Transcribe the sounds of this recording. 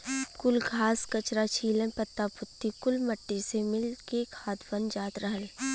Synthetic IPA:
kʊlɡʱaːskət͡ʃɾat͡ʃʰiːlə̃npɐt̪ːapʊt̪ːikʊlmɐʈːisemɪlkekʰaːt̪bənd͡ʒaːt̪ɾəɦəl

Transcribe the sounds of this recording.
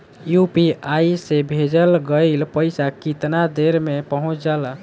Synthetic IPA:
jupiaisebʱed͡ʒəlɡəɪlpəɪsakit̪nad̪eɾmepəɦũt͡ʃd͡ʒəl

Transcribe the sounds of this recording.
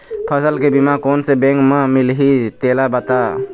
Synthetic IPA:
pʰəsəlkebimakɔnsebɛŋkmamilɦit̪elabat̪a

